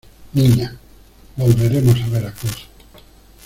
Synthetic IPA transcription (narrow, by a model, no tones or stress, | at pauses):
niɲa | bolβeɾemosaβeɾakuso̥